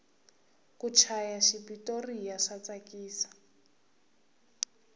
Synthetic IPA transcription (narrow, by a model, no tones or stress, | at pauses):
kut͡ʃʰajaʃipitorijaʂat͡sakiːsḁ